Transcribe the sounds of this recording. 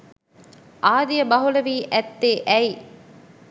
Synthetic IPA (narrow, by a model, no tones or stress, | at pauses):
ʔaːd̪ijɐbɐɦulɐʋiːʔæt̪ːeːʔɛj